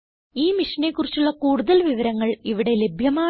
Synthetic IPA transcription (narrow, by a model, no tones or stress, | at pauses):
iːmiʂɐne̞ːkːurit͡ɕːuɭːɐkuːɽuðɐlʋiʋɐɾɐŋːɐɭiʋiɽe̞le̞bʱjɐmaː